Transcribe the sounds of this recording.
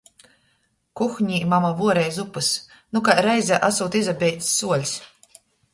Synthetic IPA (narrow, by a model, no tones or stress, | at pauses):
kuxɲiːmamavuɔɾɛjzupɨs | nukaɾɛjzʲaʔasuːt̪izabʲɛjt̪sːuɔlʲsʲ